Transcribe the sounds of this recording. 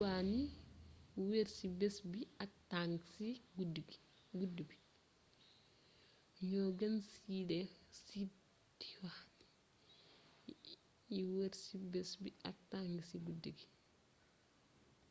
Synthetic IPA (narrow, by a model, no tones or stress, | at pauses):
wani | weɾsibɛsbiak̚taŋɡsiɡudɡ | ɡudubi | ɲɔɡɐnsidɛsi | diwan | jiweɾsibɛsbiʔak̚taŋɡsiɡudiɡi